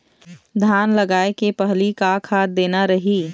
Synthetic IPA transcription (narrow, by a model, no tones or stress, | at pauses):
d̪ʱaːnləɡaːekepəɦlikakʰaːd̪̚d̪eːnaɾɐɦiː